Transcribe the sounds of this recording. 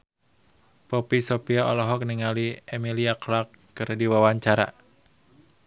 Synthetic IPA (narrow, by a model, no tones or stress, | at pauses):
pɔpisɔpiaɔlɔɦɔk̚niŋaliemiliaklakːɨrdiwawaɲt͡ʃaɾa̰